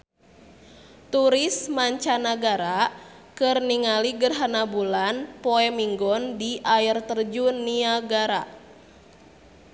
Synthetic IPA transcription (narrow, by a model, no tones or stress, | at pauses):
t̪uɾismaɲt͡ʃanaɡaɾakɨrniŋaliɡərɦanabulanpɔɛmiŋɡɔndiʔairt̪ərd͡ʒuniaɡaɾa